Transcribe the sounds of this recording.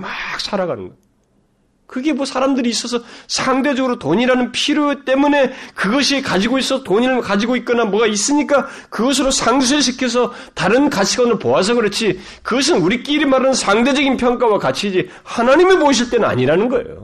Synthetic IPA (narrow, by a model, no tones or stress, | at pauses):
mak̚sʰaɾaɡanɯ̰nɡʌ | kɯɡe̞mwʌsʰaɾamdɯɾiːs͈ʌs̬ʰʌsʰaŋde̞d͡ʑʌɡɯɾotoɲiɾanɯnpʰiɾut͈e̞mune̞kɯɡʌɕʰikad͡ʑiɡois͈ʌtoɲiɾɯɭkad͡ʑiɡoit̚k͈ʌnamwʌɡais͈ɯɲik͈a | kɯɡʌs̬ʰɯɾosʰaŋs̬ʰuɕ̬ʰikʰes̬ʰʌ | taɾɯnkat͡ɕʰiɡaʌnɯɭpoas̬ʰʌɡɯɾʌt͡ɕʰi | kɯɡʌs̬ʰɯnuɾik͈iɾimaɾaɯnsʰaŋde̞d͡ʑʌɡinpʰjʌŋk͈awakat͡ɕʰid͡ʑi | hanaɲimepoiɕ̬ʰiɭt͈e̞nɯna̰ɲiɾanɯnɡʌḛjo̰